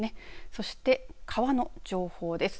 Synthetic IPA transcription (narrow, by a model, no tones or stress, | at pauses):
ne̞so̞ɕi̥t̪e̞kʰaβano̞d͡ʑo̞ːho̞ːd̪e̞sɨ̥